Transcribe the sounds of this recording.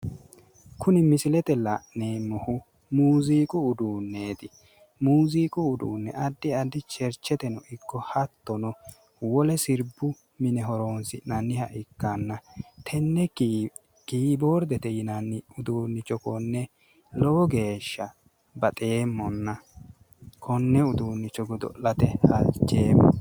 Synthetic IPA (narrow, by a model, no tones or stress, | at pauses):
kʰʊnɪmɪsɪlɛt̪ɛlɐʔneːmɔhʊ | muːziːkʼʊʊd̪uːnːe̞ːt̪ɪ | muːziːkʼʊʊd̪ṵːnːɛ̰ʔɐd̪ːɪɐd̪ɪt͡ʃɛɾt͡ʃːɛt̪ɛnɔʔɪkːɔhɐt̪ːɔnɔ | wɔlɛsɪɾbːʊ | mɪnɛɦɔɾoːnsɪnɐnːɪhɐ̰ʔɪkːanːɐt̪ʰɛnːɛ | kiːboːɾd̪ɛt̪ɛjɪnɐnːɪʊd̪uːnːɪt͡ʃːɔkɔnːɛ | lɔwɔɡe̞ːʃːɐ | bɐt̪ʼeːmːɔnːɐ | kʰɔnːɛʊd̪uːnːɪt͡ʃːɔɡɔd̪ɔ̰ʔɐt̪ɛhɐt͡ʃːeːmːɔ̰